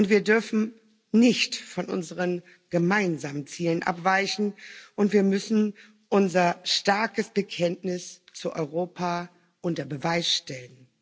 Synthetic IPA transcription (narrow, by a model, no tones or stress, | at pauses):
ʔʊntv̥iːɐdʏɐfn̩ | nɪçtfɔnʔʊ̰nzəʁən | ɡ̥əmaɪnzaːmənt͡siːlənʔa̰pv̥aɪçn̩ʔʊntv̥iːɐmʏsn̩ | ʔʊnzɐʃtaɐkəsb̥əkʰɛntnɪst͡suːʔɔ̰ʏʁoːpʰa | ʔʊntɐbəvaɪsʃtɛlən